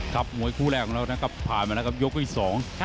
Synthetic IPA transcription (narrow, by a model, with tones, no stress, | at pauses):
kʰa˦˥p̚mu˨˩˦əjkʰuː˥˩lɛː˧˩kʰɔː˨˦ŋɾaː˧˥˩naː˦˥˩kʰa˧˥˩ppʰːaː˨˩nma˧na˦˥ka˧p̚jo˦˥k̚ʰːiː˧˩sɔː˩˦ŋ